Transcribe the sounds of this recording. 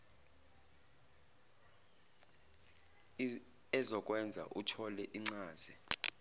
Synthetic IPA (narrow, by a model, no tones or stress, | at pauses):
ɛzɔk̬ʼwɛnd͡zʱa̰ʔutʰɔlɛʔiŋ͡ǀaːzi